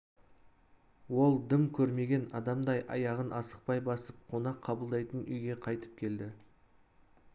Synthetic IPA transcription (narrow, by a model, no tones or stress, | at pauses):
wo̞lˠd̪ɪmkʲʰɵɾme̞ɡʲe̞nɑd̪ɑmd̪ɑjʔɑ̰jɑʁənʔɑsə̥q̚pɑjbɑsəp̚qʰo̞nɑqʰːɑbəlˠd̪ɑjt̪ənʏjɡʲe̞qʰɑjt̪ə̥p̚kʲʰe̞ld̪ɪ